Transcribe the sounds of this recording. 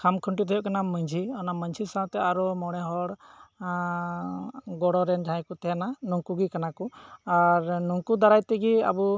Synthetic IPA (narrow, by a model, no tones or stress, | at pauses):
kʰamkʰuɳʈid̪ʱɔjɔʔkanaməɲd͡ʒʱiɔnaməɲt͡ʃʰisãt̪ɛaɾɔmɔɽ̃ɛɦɔɽ | ɡɔɽɔɾɛnd͡ʒʱãj̃kut̪ʰɛnanuŋkuɡikanakuaɾnuŋkud̪aɾajt̪ɛɡia̰bu